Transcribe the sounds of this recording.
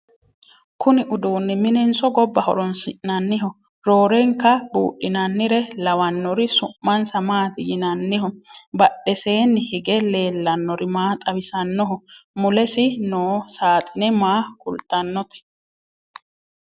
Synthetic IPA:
kʰʊnɪʔʊd̪uːnːɪmɪnɛnsɔɡɔbːɐhɔ̰ɾɔnsɪʔnɐnːɪɦɔ | ɾoːɾɛŋkːɐbṵːɗɪnɐnːɪɾɛlɐwɐnːɔɾɪsʊmːɐnsɐmaːt̪ɪjɪnɐnːɪhɔbɐɗːɛse̞ːnːɪhɪɡɛle̞ːlːɐnːɔɾɪmaːt̪ʼɐwɪsɐnːɔɦɔmʊlɛsɪnoːsaːt̪ʼɪnɛmaːkʼʊ̰lt̪ʼːɐnːɔt̪ɛ̥

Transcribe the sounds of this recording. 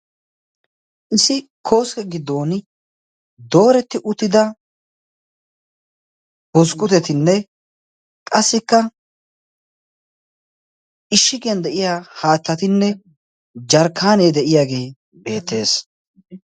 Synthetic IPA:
ʔɪsɪkʰo̞ːskɛɡɪd̪ːo̞ːn | d̪o̞ːɾɛt̪ːɪʔʊt̪ːɪd̪ɐ | bɔskʼːʊt̪ɛt̪ɪnːɛ | kʼɐsːɪkːɐ | ɪʃːɪɡɛnd̪ɛʔɪjaːhaːt̪ːɐt̪ɪnːɛ | d͡ʒɐɾkʰːaːne̞ːd̪ɛʔɪjaːɡe̞ː | be̞ːt̪ːe̞ːs

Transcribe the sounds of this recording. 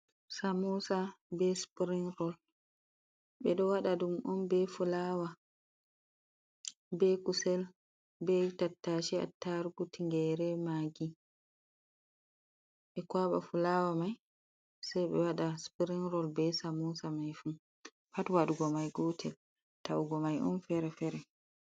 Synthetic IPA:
samɔsabɛspɾinɾɔl | ɓɛɗɔwaɗadumʔɔnbɛfulaːwa | bɛkusɛl | bɛtatːaʃia̰tːaɾɡutiŋɡɛɾɛmaːɡi | ʔɛkwaɓa̰fulawamaj | sajɓɛwaɗaspiɾinɾɔlbɛsamusamajfu | patwaɗuɡɔmajɡɔtʰɛl | tawuɡɔmajʔɔ̰nfɛɾɛfɛɾɛ

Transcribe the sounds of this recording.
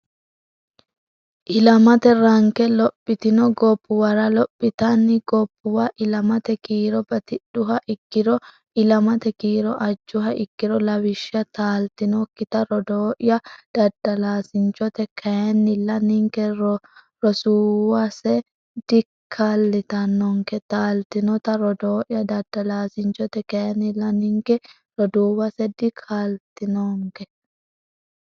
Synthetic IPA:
ʔɪlɐmɐt̪ɛɾɐŋkɛlɔpʼːɪt̪ɪnɔɡɔpːʊwɐɾɐlɔpʼːɪt̪ɐnːɪɡɔpːʊwɐʔɪlɐmɐt̪ɛkiːɾɔbɐt̪ɪɗːʊɦɐʔɪkːɪɾɔ | ɪlɐmɐt̪ɛkiːɾɔʔɐd͡ʒːʊɦɐʔɪkːɪɾɔlɐwɪʃːɪɐt̪aːlt̪ɪnɔkːɪt̪ɐɾɔd̪oːʔɪjɐd̪̥ɐd̪ːɐlaːsɪnt͡ʃɔt̪ɛkʰɛnːɪlːɐnɪŋkɛɾɔ | ɾɔsuːwɐsɛ | d̪ɪkʰːalːɪt̪ɐnːɔŋkɛt̪aːlt̪ɪnɔt̪ɐɾɔd̪oːʔjɐd̪ɐd̪ːɐlaːsɪnt͡ʃɔt̪ɛkɛnɪlːɐnɪŋkɛ | ɾɔd̪uːwɐsɛd̪ɪkʰːalt̪ɪnoːŋkɛ

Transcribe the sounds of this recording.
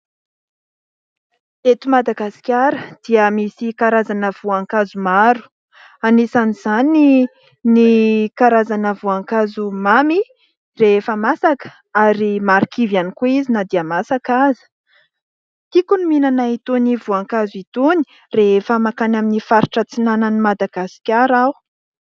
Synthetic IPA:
et̪umad̪aɡasi̥kʲaɾəd̪̥iəmisikaɾazanəv̥uaŋkazumaɾu̥ | anisaniz̥ani | nikaɾazanəvuaŋkazumami | reefəmasakə̥ | aɾimaɾikivjanikuizinad̪iamasakazi̥ | t̪ikunuminanait̪univuaŋkazuit̪uni̥ | reefəmakanaminifaɾiʈ͡ʂət͡sinanənimad̪aɡasi̥kʲaɾaw

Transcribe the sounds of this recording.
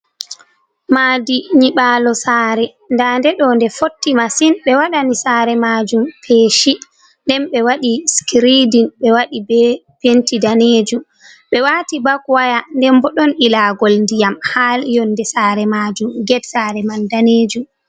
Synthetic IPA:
maːdiɲiɓaːlɔsaːɾɛ | ndandɛɗɔndɛfotːimasinɓɛwaɗanisaːɾɛmaːd͡ʒumpʰeːʃi | ndɛnɓɛwaɗiskɾidinɓɛwaɗibɛ | pentidaneːd͡ʒum | ɓɛwatibakwajandɛmbɔɗɔnɗilaːɡɔlndijamhaljɔnːdɛsaɾɛmad͡ʒumɡɛdsaɾɛmandaneːd͡ʒum

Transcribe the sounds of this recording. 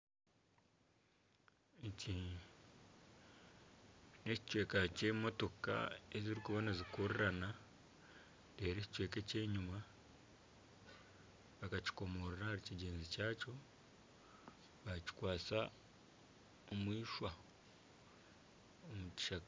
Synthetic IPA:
eci | ne̞ci̥cwe̞ːkace̞mo̞to̞ka̰eziɾikuβonazikoɾeɾana | teːɾeci̥cwe̞ːkece̞ːɲuma | βakaci̥ko̞mo̞ɾeɾahaɾiciɟe̞ːnzicaːco̞ | βaci̥kwaːt͡sa | omwiːʃwa | omuci̥ʃak

